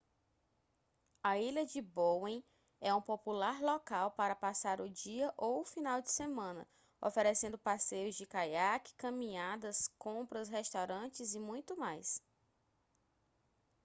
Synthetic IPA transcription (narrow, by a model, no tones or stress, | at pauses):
ɐilɐd͡ʒɪbowẽj̃ | ɛũpopulaɾlɔkawpaɾɐpasaɾʊd͡ʒiɐʔowfinawd͡ʒɪsemɐ̃nɐ̰ | ɔ̰feɾesẽnd̪ʊpasejʊzd͡ʒɪkajakɪ̥kɐ̃mĩad̪ɐskõpɾɐsɦɛst̪awɾɐ̃t͡ʃɪzɪmũj̃t̪ʊmajs